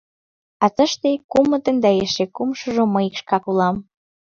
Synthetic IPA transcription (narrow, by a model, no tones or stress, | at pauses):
ɑt̪ə̆ʃt̪ekumɤ̆t̪ə̆nd̪æeʃekumʃɤ̆ʒomɤikʃkɑkulɑm